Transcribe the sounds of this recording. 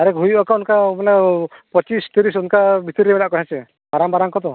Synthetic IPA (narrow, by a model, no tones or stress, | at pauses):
aɾɛkɦujbakaunkamanɛpɔt͡ʃist̪iɾisunkabit̪iɾiebɛnaʔkɔɦat͡ʃɛ | baɾambaɾaŋkɔt̪ɔ